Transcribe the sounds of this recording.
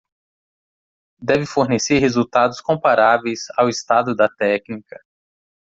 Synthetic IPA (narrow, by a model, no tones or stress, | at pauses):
d̪ɛvɪfoɾneseɾɦezut̪ad̪ʊskõpaɾavejzawɪst̪ad̪ʊd̪ɐt̪ɛknikɐ